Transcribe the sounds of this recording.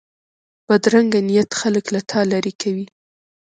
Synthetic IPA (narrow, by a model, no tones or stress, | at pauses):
b̥ad̪ɾaŋɡanijat̪xaləklat̪ʰɑlaɾikʰawi